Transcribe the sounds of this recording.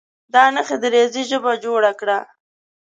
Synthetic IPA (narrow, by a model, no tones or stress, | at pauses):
d̪ɑnəxed̪əɾeziʒəbad͡ʒoɽakɽa